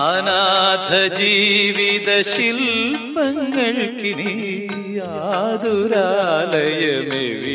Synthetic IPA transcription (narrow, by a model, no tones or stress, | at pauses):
ɐnad̪ʱɐd͡ʒiʋid̪ɐʃilpɐŋɡɐɭkini | a | d̪uɾalɐjɐmeʋi